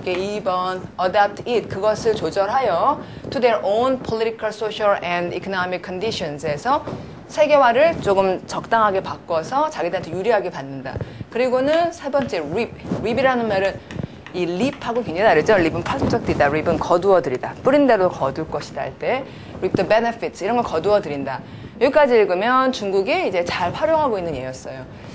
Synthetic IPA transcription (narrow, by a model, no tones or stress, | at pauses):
k͈eibʌnʌdap̚tʰit̚kɯɡʌsʰɯɭt͡ɕod͡ʑʌɾɦajʌ | tʰudeɾʔonpʰʌliɾʰikʰaɭsʰoɕʰʌɭendikʰʌnʌmikʰːʌndiɕʰʌnse̞sʰʌ | sʰe̞ɡe̞waɾɯɭt͡ɕoɡɯmt͡ɕʌk̚t͈aŋɦaɡe̞pak͈wʌsʰʌt͡ɕaɡidɯɦantʰejuɾiɦaɡepanːɯnda̰kɯɾiɡonɯnsʰe̞bʌnt͡ɕ͈e̞ɾip̚ɾibiɾanɯnmaɾɯn | iɭip̚ʰhaɡokeŋɲd͡ʑʌdaɾed͡ʑoɭlibɯnpʰasʰʌp̚t͡ɕ͈ʌk̚t͈iidaɾibɯnkʌduʌdɯɾidap͈uɾinde̞ɾokʌduɭk͈ʌɕʰida̰ɭt͈e̞ | ɾip̚tobe̞nepʰitsʰiɾʌnɡʌɭkʌduʌdɯɾinda | joik͈ad͡ʑiɯɭɡɯmjʌnt͡ɕuŋɡuɡiid͡ʑe̞t͡ɕaɭɸwaɾjoŋɦaɡoinːɯnjeijʌs͈ʌjo